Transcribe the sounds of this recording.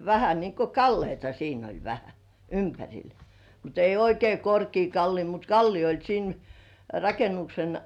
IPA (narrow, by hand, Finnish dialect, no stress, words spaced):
ʋæhæ niŋko kɑlːeitɑ siːn olʲ ʋæhæ ympærʲil mut ei oikei korkiː kɑlːiː mut kɑlːiː olʲ siːn rɑkenuksen